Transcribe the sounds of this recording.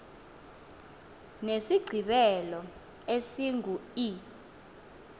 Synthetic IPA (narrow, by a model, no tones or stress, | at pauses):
nesiɡ͡ǀʱiɓɛlɔ | esiŋʱui